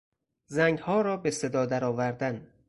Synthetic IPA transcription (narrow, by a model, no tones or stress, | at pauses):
zæŋɡhɒːɾɒːbese̞d̪ɒːd̪æɾɒːvæɾd̪æn